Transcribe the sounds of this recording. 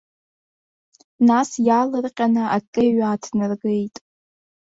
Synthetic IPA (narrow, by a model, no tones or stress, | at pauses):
nasjalɨrqʲʼanɨʔakʼɨɥaːtʰnɨrɡejtʼ